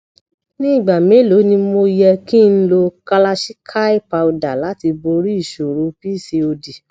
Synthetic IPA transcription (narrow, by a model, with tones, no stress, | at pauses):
nĩ˦i˦˨ɡ͡ba˨mẽ˨˦lo˨˦nĩ˧mo˧jɛ˧ki˦˧n̩˦lo˧ka˦la˧ʃi˦kʰa˦i˦pa˧u˧da˨la˨˦ti˧bo˧ɾi˦i˦˨ʃo˨ɾo˨˦pi˦˨se˧o˧di˨